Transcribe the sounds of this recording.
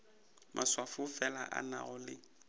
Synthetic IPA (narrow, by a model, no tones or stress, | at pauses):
mʔaswafʊfɛla̰ʔana̰ɣʊlɪ